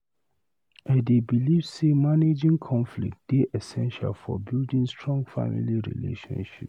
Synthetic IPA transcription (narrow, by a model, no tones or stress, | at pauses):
adebilivsemaned͡ʒĩŋkʰɔ̃nflḭk̚td̥eʔɛsɛ̃nʃa̰lfɔ̰bildĩnstɹɔ̃ŋɡfa̰mḭliɹḭlḛʃɔ̰̃nʃip